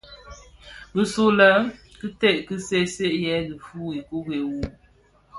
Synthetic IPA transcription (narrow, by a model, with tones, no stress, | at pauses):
bə˨su˨lə˨˦kɨ˦te˦˨ʔkɨ˦se˦˨se˦ʔjɛ˦ɡi˨fu˦i˨ku˦ɡe˨wu˨